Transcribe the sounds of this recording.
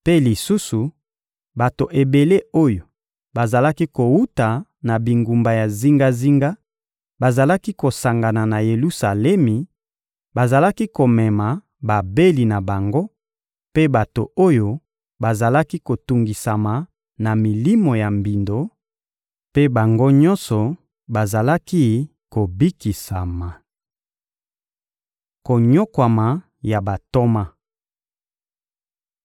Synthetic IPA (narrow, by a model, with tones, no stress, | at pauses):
pe˦li˨su˦su˨ | ba˨to˨ʔe˨be˨le˦o˦jo˨ | ba˨za˨la˦ki˦ko˨wu˦ta˨na˨bi˨ŋɡu˨mba˨ja˨zi˦ŋɡa˦zi˦ŋɡa˦ | ba˨za˨la˦ki˦ko˨sa˨ŋɡa˨na˨na˨je˨lu˦sa˨lɛ˦mi˨ | ba˨za˨la˦ki˦ko˨mɛ˨ma˨ | ba˨be˦li˨na˨ba˨ŋɡo˦ | pe˦ba˨to˨o˦jo˦ | ba˨za˨la˦ki˦ko˨tu˨ŋɡi˨sa˨ma˨ | na˨mi˨li˦mo˨ja˨mbi˨ndo˨˦ | pe˦ba˨ŋɡo˦ɲɔ̃˦nsɔ˨ | ba˨za˨la˦ki˦ | ko˨bi˦ki˨sa˨ma˨ | ko˨ɲo˦kwa˨ma˨ | ja˨ba˨to˦ma˦